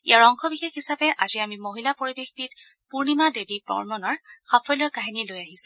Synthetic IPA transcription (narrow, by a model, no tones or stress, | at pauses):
ḭaɹɔŋxɔbixexisapɛʔaziamimoɦilapoɹibexbit | puɹnimadebipɔ̰ɹmɔnɔɹxafɔjlɔɹkaɦinilojaɦisʊ̥̃